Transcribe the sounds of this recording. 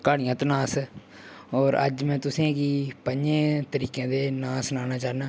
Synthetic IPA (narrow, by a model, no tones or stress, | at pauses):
kaːɽɪijãːt̪oːnãːs | ɔːɾə̰d͡ʒmɛ̃ːt̪ʊsĩːɡiːpəɲd͡ʒẽːt̪əɾiːkãːd̪eːnãːsnaːnaːt͡ʃaːnãː